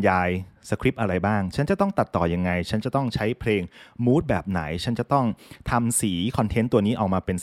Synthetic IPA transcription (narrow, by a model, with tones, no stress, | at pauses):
njaː˧jsa˧kʰɾi˦˥p̚ʔa˧ɾa˧jbaː˥˩ŋt͡ɕʰa˦˥nt͡ɕa˨˩t̪ɔ˥˩ŋt̪a˨˩t̪ːɔː˨˩ja˧ŋːa˧jt͡ɕʰa˦˥nt͡ɕa˨˩t̪ɔ˥˩ŋt͡ɕʰa˦˥jpʰleː˧ŋmuː˦˥t̪̚bɛː˨˩p̚na̰˩˦jt͡ɕʰa˦˥nt͡ɕa˨˩t̪ɔ˥˩ŋt̪ʰa˧msiː˩˦kʰɔ˧nt̪ʰe˦˥nt̪u˧əniː˦˥ʔa˨˩wmaː˧pe˧n